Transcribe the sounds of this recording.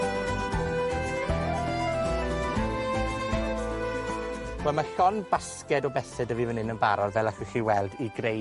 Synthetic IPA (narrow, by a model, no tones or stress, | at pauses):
wɛlˠmaɬɔnbaskɛdɔbɛsɛdəviːvənɪnənbaɾɔdvɛlˠaχwɪɬiwɛlˠdiɡre